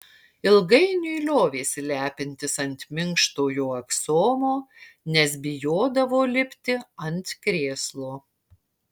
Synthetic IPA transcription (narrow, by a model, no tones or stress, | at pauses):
ɪlˠɡɐɪnʲʊɪlʲoːʋʲeːsʲɪlʲæːpʲɪnʲt̪ʲɪsɐnʲt̪ʲmʲɪŋkʃt̪oːjoːɛksoːmoːnʲɛsbʲɪjoːd̪ɐʋoːlʲɪpʲt̪ʲɪɐnʲt̪kɾʲeːslˠoː